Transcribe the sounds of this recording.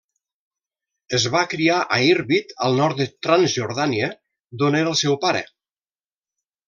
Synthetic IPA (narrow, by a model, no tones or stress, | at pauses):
əzβakɾiaʔaiɾβit̪ə̰lˠnɔɾt̪d̪ət̪ɾanzʒuɾðaniə | d̪oneɾəlˠsɛwpaɾə̰